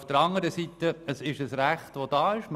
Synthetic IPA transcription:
fd̥əɾɑŋəɾəsit̪əəsɪʃəsɾæχtʋod̥ɑːɪʃm

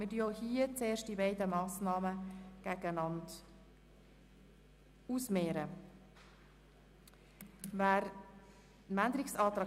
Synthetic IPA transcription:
mɪdyəohiːət͡seːɾʃt̚d̥ibɛɪdəmɑːsnɑːməɡ̥æɡ̥ənɑnd | uːsmeːɾə | væːɾ | nænd̪əɾɪksɑt̪ɾɑ

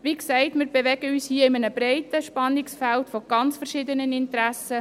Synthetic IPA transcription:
ʋiksɛɪtmɪːɾbɛʋɛɡ̥əyːshiəɪmənəb̥ɾɛɪtəʃpɑnːɪksfæltfɔɡ̥ɑnt͡sfɛɾʃɪdənənɪntɾæsə

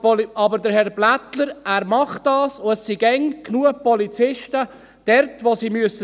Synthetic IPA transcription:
pɑbəɾdəɾhɛɾblætləɾæːɾmɑχdɑːsʊɛssiɡɛŋkʰnuəpɔlit͡sɪʃtə | d̥ɛɾtʋosiːmyəsə

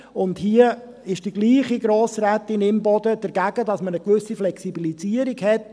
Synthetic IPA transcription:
ʊndhiə | ɪʃd̥iɡliːχiɡɾoːsɾɛtːɪnɪmbɔdəd̥ɛɾɡæɡ̥ədɑsmənəkʋʏsiflɛksibilisiəɾiɡhɛt

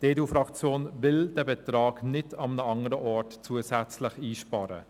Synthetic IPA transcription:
d̥eːdufɾɑkt͡sjoːnvɪld̥ɛbɛtɾɑːɡnɪtʰɑmənəɑŋəɾəʔɔɹtt͡suəsæt͡slɪχiːʃpɑɾə̰

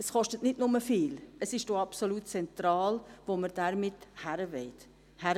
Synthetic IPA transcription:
əsχɔʃtətnɪdnʊməfiːləsɪʃd̥oɑpsoluːtt͡sɛnt̪ɾɑːlvoməɾd̥æɾmɪthæɾəvɛɪt | hæɾ

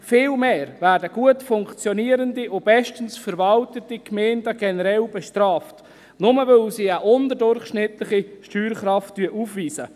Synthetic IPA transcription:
fɪːlmeːɾvæːɾdəɡ̥uətfʊŋkt͡sjɔniəɾəndiʔʊb̥ɛʃtənsfəɾvɑltətikmɛːndəɡ̥ɛnəɾɛlbɛʃtɾɑːft | nʊməvølsiːəʔʊndədʊɾχʃnɪtlɪχiʃtyːɾχɾɑftːyəʔuːfviːzə

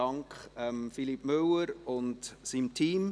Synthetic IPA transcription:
ɑŋkχɛmfilipmøwəɾʊntsiːmtʰiːm

